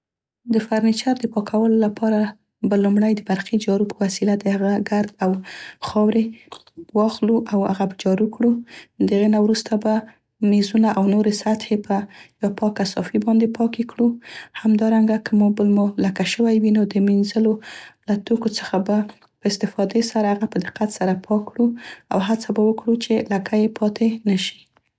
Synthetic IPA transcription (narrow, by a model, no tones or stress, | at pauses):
d̪əfaɾnit͡ʃaɾd̪əpɑkʰawəlolapɑɾa | balumɽajd̪əbaɾxid͡ʒɑɾupəwasilad̪əhaɣaɡaɾd̪awxɑwɾewɑxluʔawha̰ɣabad͡ʒɑɾukɽud̪aɣenawɾust̪aba | mezunaʔawnoɾesat̪hepəjawapɑkːasɑfibɑnd̪epʰɑkekɽuhamd̪ɑɾaŋɡakʰəmɑbəlmulakaʃəwajwinod̪əminzəlolat̪okot͡sə̥xaba | pəɪst̪ɪfɑd̪esaɾaaɣapəd̪ɪqat̪saɾapʰɑkːɽua̰wɦat͡sabawəkɽut͡ʃelakajepʰɑt̪enaʃi̥